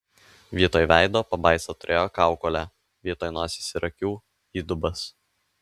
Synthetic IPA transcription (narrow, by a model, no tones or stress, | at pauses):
ʋʲiːt̪oːjʋʲæɪd̪oːpɐbɐɪsot̪ʊɾʲʔeːjoːkɑˑʊkoːlʲæ | ʋʲiːt̪oːjnoːsʲiːsʲɪɾɐkʲuː | iːd̪ʊbɐs